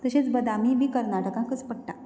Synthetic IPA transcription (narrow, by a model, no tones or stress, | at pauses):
t̪əɕet͡sbəd̪amimiːkəɾnaʈəkãkət͡spəɽ̚ʈa